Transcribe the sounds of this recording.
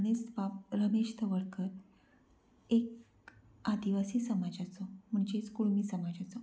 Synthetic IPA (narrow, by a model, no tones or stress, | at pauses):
nesbap̚ɾəmeʂt̪ʰəʋəɽkəɾ | ek | ad̪iʋasiːsəmad͡ʑat͡sɔm̤əɳd͡ʑeskuɭmiːsəmad͡ʑat͡sɔ